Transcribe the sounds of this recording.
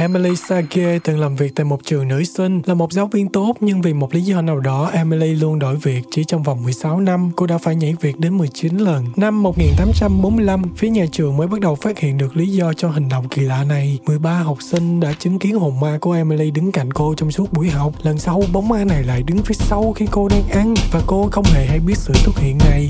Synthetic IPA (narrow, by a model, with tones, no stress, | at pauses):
ʔɛ˧mɛ˧li˧sa˧ɣe˧t̪ɨ˨˩ŋlaː˨˩mvi˨˩k̚t̪aː˧˨jmo˨˩t̚t͡ɕɨ˨˩əŋnɨ̰˧˥sï˧ŋ̟laː˨˩mo˨˩t̚zaː˨˦wvi˧ənt̪o˦˥t̚ɲɨ˧ŋvi˨˩mo˨˩t̚li˨˦zɔ˧naː˨˩wɗɔ˨˦ʔɛ˧mɛ˧li˧lu˧ənɗo˧˩˨jvi˨˩ək̚t͡ɕi˧˩t͡ɕɔ˧wŋ͡mva˨˩wŋ͡mmɨ˨˩əjsa˨˦wna˧mko˧ɗa̰ː˧˥faː˧˩jɲa̰˧˥vi˨˩ək̚ɗe˨˦nmɨ˨˩əjt͡ɕi˨˦nlə˨˩nna˧mːo˨˩t̚ŋi˨˩nt̪aː˨˦mt͡ɕa˧mɓo˨˦nmɨ˧əjla˧mfi˨˦əɲaː˨˩t͡ɕɨ˨˩əŋməː˨˦jɓa˦˥t̚ɗə˨˩wfaː˦˥t̚hḭ˧˨ənɗɨ˨˩ək̚li˨˦zɔ˧t͡ɕɔ˧ɦï˨˩ŋ̟ɗo̰˧˨wŋ͡mkḭ˧˨˩la̰ː˧˨na˨˩jmɨ˨˩əjɓaː˧ɦa˨˩wk͡p̚sï˧ŋ̟ɗa̰ː˧˥t͡ɕɨ˨˦ŋki˨˦ənho˨˩ŋ͡mmaː˧kəʔɛ˧mɛ˧li˧ɗɨ˨˦ŋka̰˧˩jŋ̟ko˧t͡ɕɔ˧wŋ͡msu˦˥ət̚ɓu˧˩əjɦa˨˩wk͡p̚lə˨˩nsa˧wɓo˨˦wŋ͡mʔaː˧na˨˩jla̰ː˧˨jɗɨ˨˦ŋvi˨˦sa˧wxi˧ko˧naː˧ŋʔa˧ŋvaː˨˩ko˧xə˧wŋ͡mhe˧˩ɦa˧jɓi˦˥ət̚sɨ̰˧˥su˦˥t̚hḭ˧˨ənːa˨˩j